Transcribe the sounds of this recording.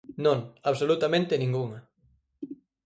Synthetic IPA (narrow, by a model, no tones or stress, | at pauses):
nõŋaβsolut̪amẽnt̪ɪnĩŋɡuŋɐ